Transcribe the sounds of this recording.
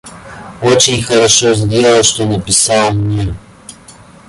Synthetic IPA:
ot͡ɕɪnʲxəɾɐʂozʲdʲe̞lˠəʂt̪onəpʲɪsɑlˠmnʲe

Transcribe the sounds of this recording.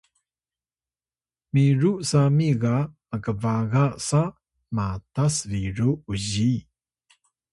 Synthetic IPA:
miɾuʔsamiɡa | əkəvaɡasa | matasɾiɾuuʑi

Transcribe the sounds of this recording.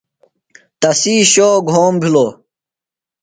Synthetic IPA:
t̪ɐsiːɕoːɡʱoːmbʱiloː

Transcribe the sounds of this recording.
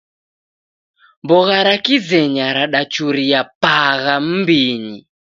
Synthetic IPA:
mbɔɣaɾakid͡zɛɲaɾaɗat͡ʃuɾiapaɣam̩mbiːni

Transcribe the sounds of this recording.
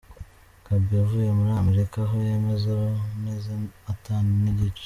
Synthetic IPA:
kabijavujemuɾameɾikaɦojeme̞zaonezaataːniniɟit͡ʃ

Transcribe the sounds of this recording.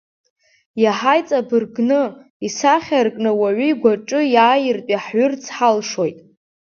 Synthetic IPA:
jaħajt͡sʼabɨrɡnɨ | isaχʲarkʼnɨwaʕʷiiɡʷaʈ͡ʂʼɨjaːjɪrtʼiħɥʊrt͡sʰħalʂojtʼ

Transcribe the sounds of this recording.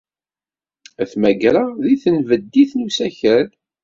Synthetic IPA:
æθmæɡɾaðiθənvəd̪ːiθnusæçəɾ

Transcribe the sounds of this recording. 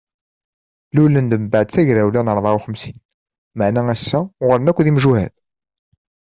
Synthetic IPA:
lulənd̪əmbaʕd̪θæʝɾæwlænəɾˤðˤɑuχəmsin | maʕnææsːæʁəɾənækʷːðimʒuhæ̰d

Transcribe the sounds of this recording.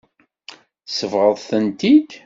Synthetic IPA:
səvʁəðˤθənt̪id̪

